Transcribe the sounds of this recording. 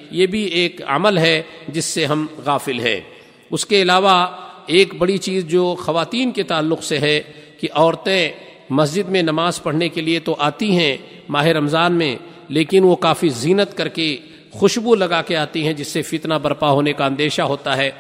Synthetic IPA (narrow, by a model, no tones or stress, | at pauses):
jebʱieːkə̰məlɦɛd͡ʒɪsːeɦɐmɣaːfɪlɦɛ̰̃ː | ʊskeɪlaːʋaeːkbɐɽit͡ʃiːzd͡ʒoːxɐʋaːt̪iːnket̪aːlːʊqseɦɛkiʔɔːɾt̪ẽ | mɐs̬d͡ʒɪd̪mẽnɐmaːzpɐɽ̤nekeliet̪oʔaːt̪iɦɛ̃ | maːɦɪɾɐmzaːnmẽ | leːkɪnʋokaːfiziːnət̪kɐɾke | xʊʃbulɐɡaːkeaːt̪iɦɛ̃d͡ʒɪsːefɪt̪nabɐɾpaɦoːnekaə̃nd̪eːʃaɦoːt̪aɦɛː